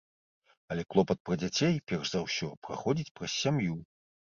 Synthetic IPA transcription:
ɐlʲɛklˠɔpɐt̪̚pɾɐd͡zʲat͡sʲejpʲɛrʂzawsʲɔpɾa̰xɔd͡zʲit͡sʲpɾɐsʲːamju

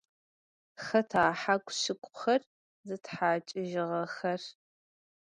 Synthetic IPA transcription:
xɐtʰaːħakʷsɨkʷʼʊxɐr | zɨtħaːt͡ʃʼɪʒɪʁɐxɐr

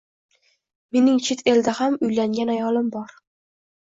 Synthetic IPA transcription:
me̞nɪŋt͡ʃʰet̪ʰe̞ld̪ahamʊjlaŋɡʲanajɒlɪmbɒɾ

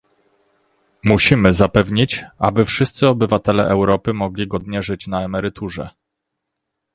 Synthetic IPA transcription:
muɕimɘzapɛvɲit͡ɕabɘfʂɘst̪sɘɔbɘvat̪ɛlɛʔɛwɾɔpɘmɔɡlʲiɡɔd̪ɲɛʐɘt͡ɕnaɛmɛɾɘt̪ʰuʐɛ̰

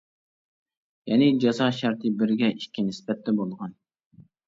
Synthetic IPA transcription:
jɛnɪd͡ʒɑzɑʃæɾt̪ʰɨbɪɾɡʲɛʔikʲʰːinɪspɛt̪ʰːɛbolˠʁɑn

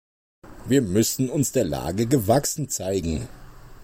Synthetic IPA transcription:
viːɐmʏsn̩ʊnsd̥eːɐla̰ːɡəɡəvaksn̩t͡saɪɡŋ̩

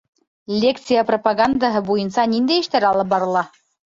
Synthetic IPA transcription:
lʲekt̪sɨjapropaɡand̪aɦɤbujɤ̆nsɑnind̪æjɘ̆ʃt̪æɾɑlˠɤp̚bɑɾɤ̆lˠɑ

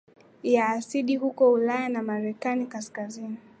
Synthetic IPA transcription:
jaːsiɗihukɔulajanamaɾɛkanikaskazini

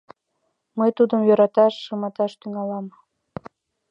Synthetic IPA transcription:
məjt̪ud̪əmjøɾɑt̪ɑʃːɤmɑt̪ɑʃt̪yŋɑlɑm

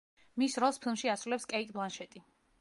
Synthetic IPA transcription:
misɾɔlˠspʰilˠmʃiasɾulɛpskʼɛit̪ʼblˠanʃɛt̪ʼi

